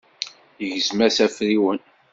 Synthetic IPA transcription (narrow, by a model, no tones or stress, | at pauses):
jəʝzmæsæfɾiwən